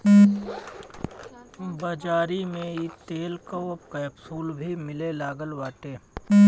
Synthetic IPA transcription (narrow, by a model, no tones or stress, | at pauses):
bəd͡ʒaːɾimẽit̪eːlkoɐb̚kɐjbsuːlbʱimɪlelaːɡəlwaːʈeː